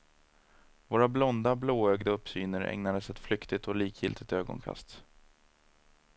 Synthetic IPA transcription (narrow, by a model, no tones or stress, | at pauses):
voːɾablɔnd̪abloːœɡd̪əɵpsyːnəɾɛ̰ŋnad̪əsɛt̪flʏkt̪ɪt̪ʰɔliːkʰjɪ̰lt̪ʰɪt̪øːɡɔ̰nkʰa̰st̪